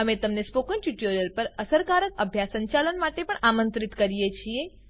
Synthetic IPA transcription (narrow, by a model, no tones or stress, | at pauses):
ɦəmet̪əmnespokənʈuʈoɾəlpəɾəsəɾkaɾəkəbʱjasəɲt͡ʃalənmaʈepəɳamə̃nt̪ɾit̪kəɾijet͡ʃʰie